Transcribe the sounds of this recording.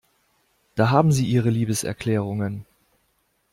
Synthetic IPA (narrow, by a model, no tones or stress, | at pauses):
d̥aːɦaːbm̩ziːʔiːʁəliːbəsʔɛ̰ɐkʰl̥ɛːʁ̞ʊŋən